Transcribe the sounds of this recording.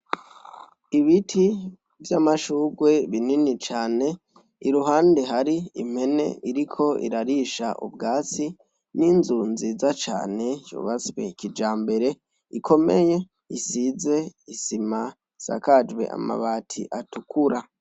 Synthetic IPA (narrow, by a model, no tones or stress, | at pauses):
iβitʰi | vjamaʃuːɡwe̞βininit͡ʃaːne̞ | iɾuɦaːnde̞ɦaɾiim̥he̞ne̞̰iɾikʰo̞ʔḭɾaɾiʃa̰ʔṵbɡaːt͡si | niːnzuːnzizat͡ʃa̰ːne̞jo̰βat͡swekid͡ʒaːmbe̞ɾe̞ | ikʰo̞meje̞ | isize̞isima | isa̰kad͡ʒwe̞̰ʔa̰ma̰βaːtʰḭʔatukuɾa